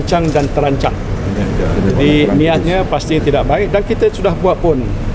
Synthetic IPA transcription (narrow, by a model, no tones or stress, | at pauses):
ɲt͡ʃaŋdant̪əɾaɲt͡ʃaŋ | d͡ʒad͡ʒadinĩat̪̚ɲãpast̪it̪idaʔ̚baɪk̚dankit̪əsudahbuat̪̚pʊn